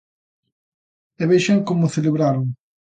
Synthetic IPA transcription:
ɛβejʃeŋkomʊθeleβɾaɾoŋ

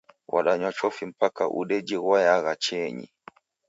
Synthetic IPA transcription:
wʔa̰ɗaɲɔt͡ʃɔfim̩paka̰ʔṵɗɛd͡ʒiɣwajaɣat͡ʃɛɲḭ

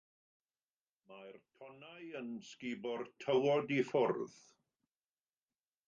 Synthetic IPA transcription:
majrtʰɔnajənskibɔrtʰəwɔdifʊrð

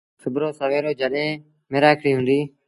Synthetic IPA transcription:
xəbɾoːsəʋeːɾoːd͡ʒʱəɗẽː | meːɾaːɪkʰɽiːɦʊ̃ːnd̪iː

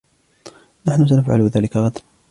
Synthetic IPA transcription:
naħnʊs̬anafʕa̰lʊðaːlɪkaɣɑd̪l

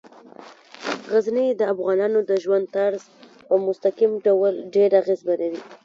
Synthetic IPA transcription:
ɣaznid̪əafɣɑnɑnod̪əʒwand̪̚t̪aɾz | pəmʊst̪aqimɖawalɖeɾaɣezbalaɾi

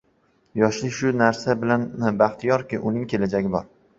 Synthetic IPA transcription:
jɒʃlɪkʲʃʊnaɾsabɪlannɪbaχt̪ʰijɒɾkʲɪʔʊnɪŋkʲʰe̞lad͡ʒaɡʲɪbɒ̰ɾ

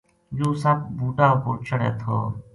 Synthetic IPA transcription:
d͡ʒuːsəp̚buːʈaːpoːt͡ʃʰəɽeːt̪ʰo̰ː

